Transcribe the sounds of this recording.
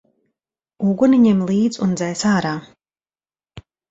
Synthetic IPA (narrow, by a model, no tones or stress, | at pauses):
uɡɔniɲemlˠiːd̪zṵnd̪zɛjsaːɾaː